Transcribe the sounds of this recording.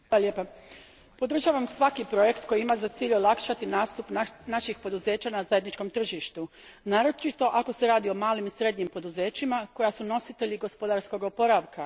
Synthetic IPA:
alalʲjepa | po̞d̪ɾr̩ʒaːʋamsʋakipɾo̞je̞kt̪ko̞jiimazat̪siːʎolakʃat̪inast̪upnaʃixpo̞d̪uze̞ːt͡ɕanazaje̞d̪nit͡ʃko̞mt̪r̩ʒiʃt̪u | naːɾo̞t͡ʃit̪o̞ʔako̞se̞ɾaːd̪io̞maːlimisɾe̞d̪ɲimpo̞d̪uze̞ːt͡ʃimako̞jasuno̞sit̪e̞ʎiɡo̞spo̞d̪aɾsko̞ɡo̞po̞ɾaʋka

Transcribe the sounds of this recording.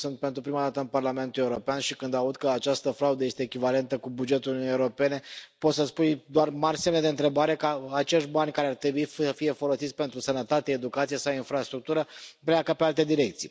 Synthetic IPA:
sunt̪̚pent̪ɾupɾimad̪at̪əɨnparlame̞nt̪ulje̞uɾo̞peanʃikɨnd̪aud̪kəat͡ʃast̪əfɾaud̪əje̞st̪e̞ːkʲivale̞nt̪əkubud͡ʒe̞t̪ulununjeuɾo̞pe̞ne̞pot̪səspujd̪oarmarʲsemned̪e̞ɨnt̪ɾe̞baɾe̞kəat͡ʃe̞ʃt̪banʲkaɾeart̪ɾe̞buisəfije̞fo̞lo̞sit̪sʲpe̞nt̪ɾusənət̪at̪e̞ːd̪ukat̪sijesawinfɾast̪ɾuk̚t̪uɾəpleakəpe̞alt̪e̞d̪iɾe̞k̚t̪sḭj

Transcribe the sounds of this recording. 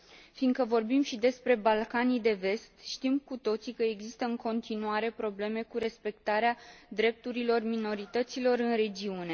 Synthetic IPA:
fiŋɡkəvo̞rbimʃid̪e̞spɾe̞balkanid̪e̞ve̞st̪ʃt̪imkut̪o̞t̪sikəeɡzist̪əɨŋko̞nt̪inuaɾe̞pɾo̞ble̞me̞kuɾe̞spe̞kt̪aɾead̪ɾe̞p̚t̪uɾilo̞rmino̞ɾit̪ət̪silo̞ɾɨnre̞d͡ʒiune̞

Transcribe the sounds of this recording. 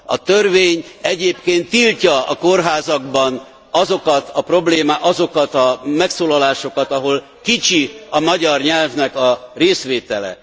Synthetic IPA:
ɒt̪ørveːɲɛɟeːpkeːnt̪ːilcɒɒko̞rɦaːzɒɡbɒn | ɒzo̞kɒt̪ʰɒpro̞bleːmaʔɒzo̞kɒt̪ɒmɛksoːlɒlaːʃo̞kɒt̪ɒɦo̞l | kit͡ʃiɒmɒɟɒrɲɛlvnɛkɒreːsʋeːt̪ɛlɛ̰

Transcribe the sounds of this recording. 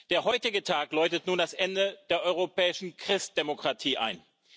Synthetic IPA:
d̥eːɐhɔʏtɪɡətʰaːklɔʏtətnuːndasʔɛndəd̥eːɐʔɔʏʁ̞opʰɛːɪʃn̩kʁ̥ɪstd̥emokʁ̥atʰiːʔa̰ɪn

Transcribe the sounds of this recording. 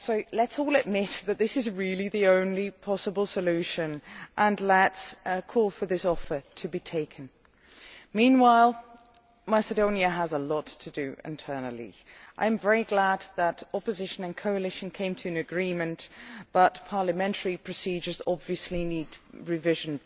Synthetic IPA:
soʊlətsɔlˠɨd̚mɪt̪̚ðɨt̪̚ðɪsɨzɹɪlˠiðiõʊ̃nlipʰɑsəbəlˠsəlʉʃɨ̃nʔə̃nlətskʰɔlˠfə˞ðɪsɔfə˞tʰɨbitʰeɪkʰɨ̃n | mĩnwaɪlˠ | mæsɨdõʊ̃niɨəzəlɔtʰɨdɨ̰ʔɪ̰̃ntʰɜ˞nl̩ˠḭ | ʔa̰ɪɨ̃ɱvɛɹiɡlæd̪̚ðəɾɑpɨzɪʃɨ̃nɨ̃nkʰoʊəlɪʃn̩kʰẽɪ̃mtʰɨɨ̃nɨɡɹĩmɨ̃nb̥ʌt̚pʰɑɹləmɛ̃ntʰə˞ipʰɹ̥ɨsid͡ʒə˞zɑbviɨslinid̚ɹɨvɪʒɨ̃n

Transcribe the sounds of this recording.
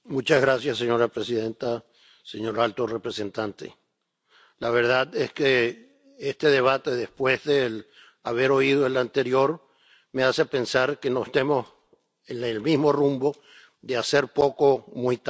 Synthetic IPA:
mũt͡ʃazɣɾasjasːeɲo̞ɾapɾesiðe̞nt̪a | se̞ɲo̞ɾalt̪orepɾe̞se̞nt̪ant̪ḛ | laβ̞e̞ɾðaðeske | est̪e̞ðe̞β̞at̪e̞ðe̞spwe̞zðel | aβ̞e̞ɾo̞ið̞oelant̪e̞ɾjoɾ | me̞asepe̞nsaɾkenoest̪emo̞s | enelmizmo̞rumbo̞ | ðease̞ɾpo̞komujt̪

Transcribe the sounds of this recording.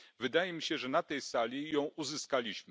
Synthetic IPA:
vɘd̪ajɛmʲiɕɛʐɛnat̪ɛjsalʲijɔ̃w̃ʔuzɘskalʲiɕm

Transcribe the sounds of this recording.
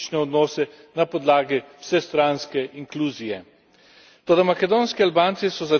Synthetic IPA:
t͡ʃnɛɔd̪nɔːsɛ | napɔd̪laːɡiw̥sɛst̪ɾanskɛʔiŋkluːzijɛ | t̪oːd̪amakɛd̪oːnskialbaːnt̪sisɔza

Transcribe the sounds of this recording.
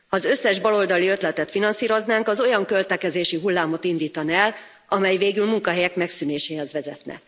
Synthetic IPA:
hɒːzø̞sːɛʒbɒlo̞ld̪ɒliø̞t̪lɛt̪ɛt̪finɒnsiːɾo̞znaːŋkɒzo̞jɒŋkø̞lt̪ɛkɛzeːʃiɦulːaːmo̞t̪ind̪iːt̪ɒnɛl | ʔɒmɛjveːɡylmuŋkɒɦɛjɛkmɛksyneːʃeːhɛzʋɛzɛt̪nɛ̰

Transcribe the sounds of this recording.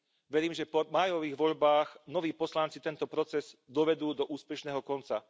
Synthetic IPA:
ʋɛɾiːmʒɛpɔmaːjɔʋiːɣʋɔʎbaːxnɔʋiːpɔslant͡sit̪ɛnt̪ɔpɾɔt͡sɛz̥d̪ɔʋɛd̪uːd̪ɔʔuːspɛʃnɛːɦɔkɔnt͡sa

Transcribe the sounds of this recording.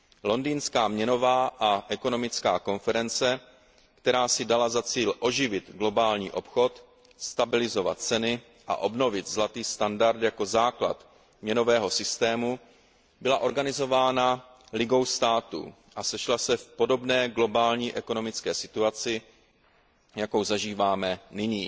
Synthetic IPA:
lo̞ndiːnskaːmɲɛno̞vaːʔaʔɛko̞no̞mɪt͡skaːko̞nfɛɾɛnt͡sɛ | kt̪ɛɾaːsɪdalazat͡siːlʔo̞ʒɪvɪt̪ɡlo̞baːlɲḭːʔo̞pxo̞t̪ | st̪abɪlɪzo̞va̰t̪̚t͡sɛnɪ | ʔa̰ʔo̞bno̞vɪt̪zlat̪iːst̪andaɾt̪jako̞zaːkla̰t̪ | mɲɛno̞vɛːɦo̞sɪst̪ɛːmu | bɪlaʔo̞ɾɡanɪzo̞vaːna | lɪɡo̞wst̪aːt̪ṵ | ʔasɛʃlasɛfpo̞do̞bnɛːɡlo̞baːlɲiːʔɛko̞no̞mɪt͡skɛːsɪt̪uat͡sɪ | jako̞wzaʒiːvaːmɛnɪɲiː

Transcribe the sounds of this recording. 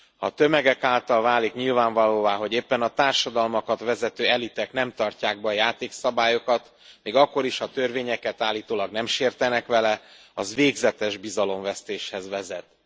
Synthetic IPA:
hɒ̰t̪ømɛɡɛkaːlt̪ɒlvaːlikɲilvaːɱvɒloːvaːɦo̞ɟeːpːɛnɒt̪aːrʃɒd̪ɒlmɒkɒt̪ʋɛzɛt̪øːɛlit̪ɛknɛmt̪ɒrcaːɡ̚bɛɒjaːt̪eːksɒbaːjo̞kɒt̪ | meːɡɒkːo̞ɾiʃhɒt̪ø̞rveːɲɛkɛt̪aːlːiːt̪oːlɒɡnɛmʃeːrt̪ɛnɛkʋɛlɛ | ɒzʋeːɡzɛt̪ɛʒbizɒlo̞ɱvɛst̪eːʃhɛzʋɛzɛt̪

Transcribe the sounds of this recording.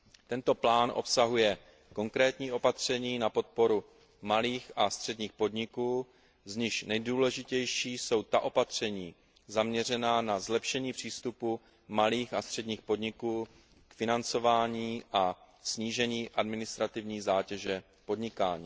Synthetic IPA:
t̪ɛnt̪o̞plaːnʔo̞̰psaɦujɛ | ko̞ŋkɾɛːt̪ɲiːʔo̞pat̪r̝̥ɛɲiːnapo̞t̪̚po̞ɾu | maliːxast̪r̝̥ɛdɲiːxpo̞dɲɪkuː | zɲɪʃnɛjduːlɛʒɪcɛjʃiːso̞wt̪aʔo̞pat̪r̝̥ɛɲiː | zamɲɛr̝ɛnaːnazlɛpʃɛɲiːpr̝̥iːst̪upu | maliːxast̪r̥ɛdɲiːxpo̞dɲɪkuː | kfɪnant͡so̞vaːɲiːʔa | sɲiːʒɛɲiːʔadmɪnɪst̪ɾat̪ɪvɲiːzaːcɛʒɛ | po̞dɲɪkaːɲiː

